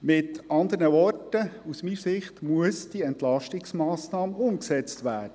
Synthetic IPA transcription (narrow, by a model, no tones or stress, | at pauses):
mɪt̪ɑnd̪ənəʋɔrtəusmiːsɪχtmuəsd̥iɛntlɑʃtɪksmɑːsnɑːmʊmksɛt͡st̪ʋæːɾd̥ə